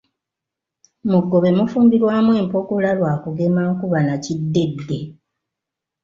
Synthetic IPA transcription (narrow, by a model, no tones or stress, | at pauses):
muɡːo̞βe̞mufuːmbiɾwaːmwe̞ːmpo̞kulalwaːkuɡe̞maːkuβanacidːe̞dːe